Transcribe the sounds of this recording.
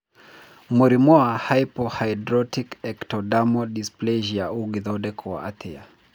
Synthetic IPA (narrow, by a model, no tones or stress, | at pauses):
muɾimɔahajpɔhajdɾɔtikɛktɔdamɔdisplɛʒiauɡiðɔdɛkʰɔwa̰ʔatʰia